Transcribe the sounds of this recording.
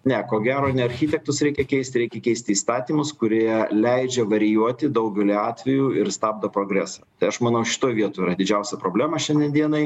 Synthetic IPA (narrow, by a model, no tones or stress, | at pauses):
nʲɛkoːɡʲæːɾoːnʲɛɐɾʲxʲiːt̪ʲɛk̚t̪ʊsɾʲɛɪkʲɛkʲɛɪst̪ʲɾʲɛɪkʲɛkʲɛɪsʲt̪ʲɪiːst̪ɑːt̪ʲiːmʊskʊɾʲiɛlʲɛɪd͡ʒʲɛʋɐɾʲɪjuɔt̪ʲɪd̪ɐʊɡʲɛlʲiɑːt̪ʲʋʲɛjuːɪɾst̪ɑːb̚d̪ɐpɾoːɡɾʲæːsɐt̪ɐɪɐʃmɐnɐʊʃʲɪ̥t̪oːjʋʲiɛt̪oːiɾɐd̪ʲɪd͡ʒʲɛʊsʲɛpɾoːbʲlʲæːmɐʃʲɛnd̪ʲɛnd̪ʲiɛnɐɪ